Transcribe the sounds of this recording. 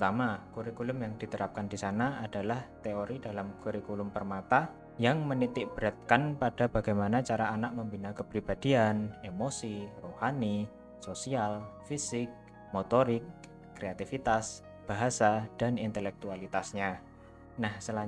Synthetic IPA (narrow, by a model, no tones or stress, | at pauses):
t̪amakuɾikulʊmjaŋd̥it̪əɾap̚kandisanaadalaht̪eoɾidalamkuɾikulʊmpərmat̪a | jaŋmənit̪ɪk̚b̥əɾat̪̚kanpad̥abaɡajmanat͡ʃaɾaːnaʔ̚məmbinakəpɾibadianemosirohani | sosialfisɪk̚ | mot̪oɾɪkː | ɾeat̪ifit̪as | b̥aɦasad̥anint̪əlɛk̚t̪ualit̪asɲa | nahsəla